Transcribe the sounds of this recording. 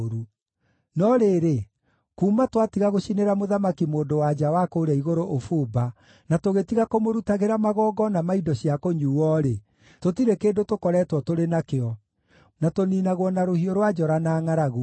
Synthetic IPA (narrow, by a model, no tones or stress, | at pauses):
ɾu | nɔɾeɾe | kuːmatwatiɣaɣoɕineɾamoðamakimoːndowad͡ʑawakoːɾɛiɣoɾoʔofuːba | natoɣetiɣakomoɾutaɣeɾamaɣɔːɡɔnamaidɔɕiakoɲuːwɔɾe | totiɾekeːndotokɔɾɛːtwɔtoɾenakeɔ | natoninaɣwɔnaɾohioɾwad͡ʒɔɾanaːŋaɾaɣu